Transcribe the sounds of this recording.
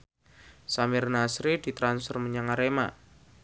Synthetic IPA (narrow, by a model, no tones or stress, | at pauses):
samɪrnasɾid̥i̤t̪ɾansfərməɲaŋaɾema̰